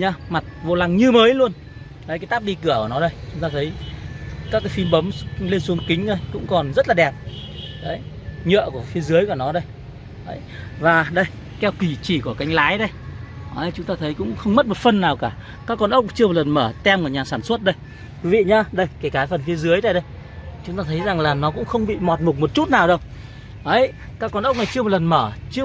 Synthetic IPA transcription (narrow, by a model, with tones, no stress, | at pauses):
ɲaː˧ma˨˩t̚vo̰˧˨la˨˩ŋɲɨ˧məː˨˦jlu˧ən | ə˨˧˦jkaː˨˦jt̪aː˦˥p̚ɗi˧˨kɨ˧˩əku˧˩nɔ˨˦ɗə˧jt͡ɕʊ˨˦ŋ͡mt̪aː˧t̪ʰə˨˦j | kaː˦˥kːaː˨˦fi˧mɓə˨˦m˧le˧nsu˨˦əŋkï˨˦ŋ̟ɗə˧jkʊ̰˧˥ŋ͡mkɔ˨˩nzə˦˥t̚laː˨˩ɛ˨˩p̚ | ɗə˨˦j | ɲə̰˧˨ku˧˩əfi˧əzɨ˨˦əjku˧˩ənɔ˨˦ɗə˧j | ə˨˦j | vaː˨˩ɗə˧j | kɛ˧wki˧˩t͡ɕi˧˩ku˧˩ə˩ka˨˦jŋ̟laː˨˦jɗə˧jʔə˨˧˦jt͡ɕʊ˨˦ŋ͡mt̪aː˧t̪ʰə˨˦jkʊ̰˧˥ŋ͡mxə˧wŋ͡mmə˦˥t̚mo˨˩t̚fə˧nːaː˨˩wkaː˧˩ | kaː˦˥kːɔ˧nʔə˦˥wk͡p̚t͡ɕɨ˧m˨˩tlə˨˩nməː˧˩t̪ɛ˧mo˨˩ɲaː˨˩saː˧˩nswə˦˥t̚ɗə˧j | ki˨˦vḭ˧˨ɲaː˧ɗə˧jkaː˧˩jkaː˨˦jfə˨˩nfi˧əzɨ˨˦əjt̪a˧jɗə˧j | t͡ɕʊ˨˦ŋ͡mt̪aː˧t̪ʰə˨˦jza˨˩ŋlaː˨˩nɔ˨˦kʊ̰˧˥ŋ͡mxə˧wŋ͡mɓḭ˧˨mɔ˨˩t̚mo˨˩t̚mo˨˩t̚t͡ɕu˦˥t̚naː˨˩wɗə˧w | ʔə˨˦j | kaː˦˥kːɔ˧nʔə˦˥k͡p̚na˨˩jt͡ɕɨ˧əm̚˨˩lə˨˩nməː˧˩t͡ɕɨ˧